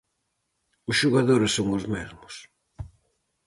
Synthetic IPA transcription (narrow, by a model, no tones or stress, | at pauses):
ʊsʃuɣaðoɾɪsːoŋʊzmɛzmʊs